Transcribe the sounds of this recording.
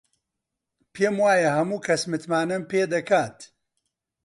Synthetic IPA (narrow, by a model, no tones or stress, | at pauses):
pʰeːmwaːjɐhɐmuːkʰɐsmɨt̪maːnɐmpeːd̪ɐkʰaːt̪